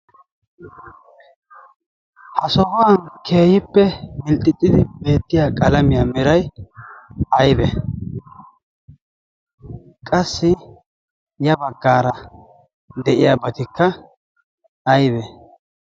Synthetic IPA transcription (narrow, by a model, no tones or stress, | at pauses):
hɐsɔɡɔwɐnkʰe̞ːjɪpːɛmɪlt̪ʼɪt̪ʼːɪd̪ɪbe̞ːt̪ːɪjakʼɐlɐmɪjaːmɪɾɐj | ɐjdɛ | kʼɐsːɪ | jɐbɐɡːaːɾɐ | d̪ɛʔɪjabɐt̪ɪkːɐ | ɐjdɛ